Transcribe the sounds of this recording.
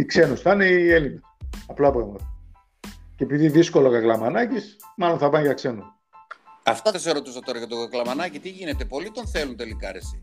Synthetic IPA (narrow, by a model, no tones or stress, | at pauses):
ikse̞nusθɐneelinesɐplɐpɾɐɣmɐt̪ɐ | ceepiðiðisko̞lokɐklɐmɐnɐcismɐlo̞nθɐpɐnʝɐkse̞nu | ɐft̪ɐðeseɾo̞t̪usɐt̪oɾɐʝɐt̪okɐklɐmɐnɐcit̪iʝinet̪epo̞lit̪o̞nθelunt̪e̞likɐɾesi